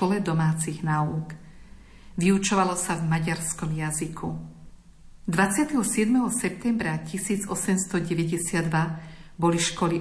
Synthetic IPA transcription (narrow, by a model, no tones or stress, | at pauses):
ɔlɛd̪ɔmaːt͡siɣnaːuːk | ʋiut͡ʃɔʋalɔsavmaɟaɾskɔmjazikʰu | d̪ʋat͡sɪat̪ɛɦɔsɪɛd̪mɛɦɔsɛp̚t̪ɛmbɾacisiːd͡zɔsɛmst̪ɔɟɛʋɛɟɛsɪad̪ːʋa | bɔliʃkɔli